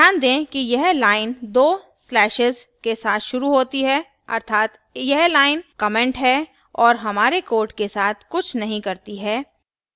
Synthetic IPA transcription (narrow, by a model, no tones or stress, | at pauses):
jaːnd̪ẽːkijɛɦlaːɪnd̪oː | slɛːʃɪzkesaːt̪ʰʃʊɾuɦoːt̪iɦɛː | ɐ̰ɾt̪ʰaːt̪ | jɛɦlaːɪnkɐmɛ̃ɳʈɦɛ | ɔːɾɦɐmaːɾekoːɾɖkesaːt̪ʰkʊt͡ʃʰnɐɦĩkɐɾt̪iɦɛː